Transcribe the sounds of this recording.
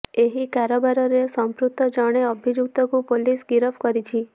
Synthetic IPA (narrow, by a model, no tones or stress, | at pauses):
eɦikaɾɔbaɾɔɾesɔmpɾut̪ːɔd͡ʒɔɽ̃eɔbʱid͡ʒuk̚t̪ɔkupolisɡiɾɔbkɔɾit͡ʃʰi